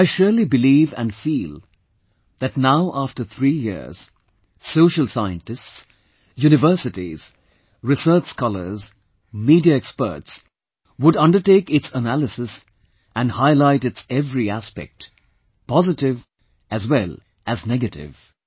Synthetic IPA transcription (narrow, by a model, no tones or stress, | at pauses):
aɪʃʊɹlibɨliːvæ̰̃nfiːlˠ | ðætnaʊʔæftə˞θʰɹiːjɪ̰ɹz̥ | soʊʃəlˠsaɪɨ̰̃ntɨsts | juːnɨvɜ˞sɨtiz̥ | ɹɪsə˞t͡ʃskɔlə̰˞z | miːdiaɛkspə̰˞ts | wʊɖʌ̃ndəʈeːkɪtsənælɨsɪs | ʔæ̃nhaɪlaɪtɨtsɛvɾiæspɛ̰k̚t | pɔzɨtɪv | ʔæzwɛlˠ | ʔæznɛɡɨtɪ̰v